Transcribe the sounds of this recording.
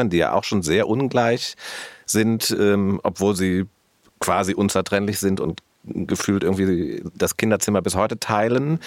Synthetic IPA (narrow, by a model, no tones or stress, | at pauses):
ɐndiːja̰ːʔa̰ʊxʃoːnzeːɐʔʊnɡlaɪçz̥ɪntʔɛːmʔɔ̰pv̥oːlziː | kv̥aːziʔʊnt͡sɛɐtʁ̥ɛnlɪçz̥ɪntʊ̰nt | ɡəfyːltʔɪɡŋtv̥iːd̥askʰɪndɐt͡sɪmɐbɪshɔʏtətʰaɪlən